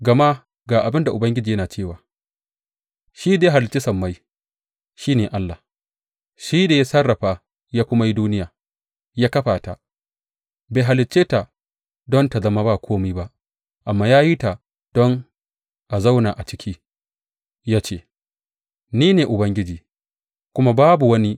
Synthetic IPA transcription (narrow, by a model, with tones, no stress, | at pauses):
ɡɐ˨ma˦ | ɡaː˨ʔa˨bɪ˦nda˨ʔʊ˨bɐ˦ŋɡʲɪ˦d͡ʒiː˨jɐ˦naː˨t͡ʃeː˦˨waː˨ | ʃiː˦da˨ja˦a˨lɪ˨t͡ʃi˦sɐ˨mːa˦j | ʃiː˦neː˨ʔa˦lːa˨ | ʃiː˦da˨ja˦sɐ˦rːɐ˨ɸa˦ | jaː˦kʷʊ˦ma˦ji˦duː˦nɪ˦jaː˨ | jaː˦kɐ˦ɸaː˨ta̰˨ | ba˨jɦa˨lɪ˨t͡ʃːeː˦ta˨ | dɔ˦nta˨zɐ˦ma˦ba˦˨kʷʰoː˦miː˦ba˦ʔ | ʔa˨mːaː˦jaː˦ji˦ta˨ | d̥ɔ˦ŋ | ʔa˨za˦wna˨ʔa˨t͡ʃɪ̥˦kʲʰiː˦ | jaː˦t͡ʃeː˦ | niː˦neː˨ʔʊ˨bɐ˦ŋɡʲɪ˦d͡ʒiː˨ | kʷʊ˦ma˦baː˦bu˨wɐ˦ni˦